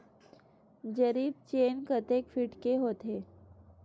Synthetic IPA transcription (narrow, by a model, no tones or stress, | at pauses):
d͡ʒəɾiːb̚t͡ʃeːnkət̪eːkfɪʈkeɦoːt̪ɦeː